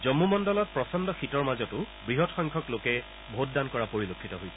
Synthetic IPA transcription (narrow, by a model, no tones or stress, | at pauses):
zɔmːumɔndɔlɔt̚pɹɔsɔndɔxitɔɹmazɔtʊ | bɹiɦɔtxɔŋkʰɔklokɛ | bʱot̚dankɔɹapoɹilokʰːitɔɦojsɛ